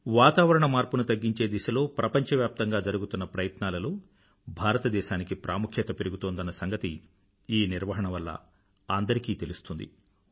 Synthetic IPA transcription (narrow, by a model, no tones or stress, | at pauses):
ʋaːt̪aːʋɐɾɐɳɐmaːɾpunut̪ɐɡːiɲt͡ʃeːd̪iʃɐlo̞ːpɾɐpɐɲt͡ʃɐʋjaːp̚t̪ɐŋɡaːd͡ʒɐɾuɡut̪unːɐpɾɐjɐt̪naːlɐloː | bʱaːɾɐt̪ɐd̪ɛːʃaːnikipɾʔaːmukʰjɐt̪ɐpeɾuɡut̪oːnd̪ɐnːɐsɐŋɡɐt̪i | iːniɾʋɐɦɐɳɐʋɐlːɐ̰ | aːnd̪ɐɾikiːt̪e̞lust̪und̪ḭ